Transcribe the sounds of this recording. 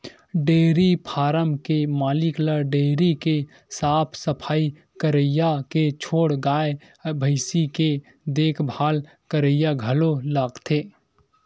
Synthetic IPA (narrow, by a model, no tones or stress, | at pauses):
ɖeːɾipʰaːɾəmkemaːlɪkləɖeːɾike | saːpʰsəpʰaːi | kəɾəjaket͡ʃʰoːɽɡaːe | bʱəɪsike | d̪eːkʰbʱaːl | kəɾəjaɡʱəlolaːɡt̪ʰeː